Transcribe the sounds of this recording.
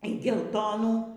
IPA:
iː ɡʲɛlˠˈtoːnuː

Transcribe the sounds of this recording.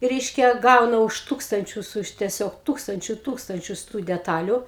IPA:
ˈrʲɛɪʃʲkʲɛ ˈɡɐʊnɐ ʊʃ ˈtuːkstɐnʲt͡ʃʲʊs ʊʃ tʲɛˈsʲoːk ˈtuːkstɐnʲt͡ʃʲʊ ˈtuːkstɐnʲt͡ʃʲʊs tuː dʲɛˈtɑːlʲʊ

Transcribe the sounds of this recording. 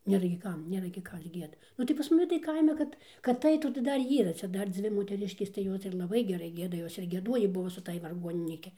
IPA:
ˈnʲeːrɐ ɡʲɪ ˈkɐm ˈnʲeːrɐ ɡʲɪ ˈkɐs ˈɡʲiɛdɐ ˈnʊ tɐɪ pɐs mɐˈnʲɪ tɐɪ ˈkɐɪmʲɛ ˈkɐt kɐt ˈɐɪtuː tɐɪ ˈdɐr ˈiːrɐ ˈt͡sʲɛ ˈdɐr ˈd͡zʲʋʲɪ moːtʲɛˈrʲɪʃʲkʲeːs tɐɪ ˈjoːs ɪr lˠɐˈbɐɪ ɡʲɛˈrɐɪ ˈɡʲiɛdɐ ˈjoːs ɪr ɡʲiɛˈduɔjiː ˈbʊʋoː sʊ ˈtɑːj ʋɐrˈɡuɔnʲɪnʲiːkʲɪ

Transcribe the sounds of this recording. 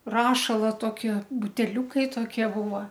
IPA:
ˈrɑːʃɐlˠɐ ˈtoːˈkʲiɛ bʊtʲɛˈlʲuːkɐɪ toːˈkʲiɛ ˈbuːʋɐ

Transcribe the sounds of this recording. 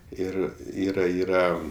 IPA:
ˈɪr ˈiːrɐ ˈiːrɐ

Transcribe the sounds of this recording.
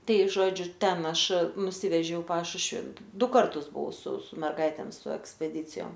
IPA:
ˈtɐɪ ˈʒoːd͡ʒʲʊ ˈtʲɛn ˈɐʃ nʊˈsʲɪʋʲɛʒʲɛʊ ɪ ˈpɑːʃʊʃʲʋʲɪ ˈdʊ ˈkɐrtʊs bʊˈʋɐʊ sʊ sʊ mʲɛrˈɡɐɪtʲeːm sʊ ɛksʲpʲɛˈdʲiːt͡sʲɪjoːm

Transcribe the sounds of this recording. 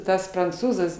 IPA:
ˈtɐs prɐnˈt͡suːzɐs

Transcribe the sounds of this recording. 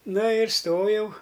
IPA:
ˈnɐ ɪr ˈstoːjɛʊ

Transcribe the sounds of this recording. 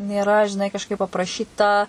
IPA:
nʲeːˈrɐ ʒʲɪˈnɐɪ kɐʃˈkɐɪp ɐprɐˈʃʲiːtɐ

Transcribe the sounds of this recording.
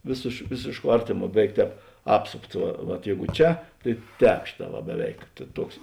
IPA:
ʋʲeːsʲeːʃ ˈʋʲeːsʲeːʃˌkuɔ ˈɐrʲtʲeːˌmuɔ ˈbʲæːˌʋʲɛɪk ˈtʲɛːp ˈɑːpsoːpts ˈʋɐ ʋɐt ˈjɛɪɡʊ ˈt͡ʃʲɛ tɐɪ ˈtʲɛːp ˈʃʲeːˌtɑː ʋɐ bʲɛˈʋʲɛɪk ˈtuɔks

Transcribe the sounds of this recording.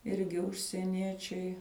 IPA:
ˈɪrʲɡʲɪ ʊʃʲsʲiɛˈnʲiɛt͡ʃʲɛɪ

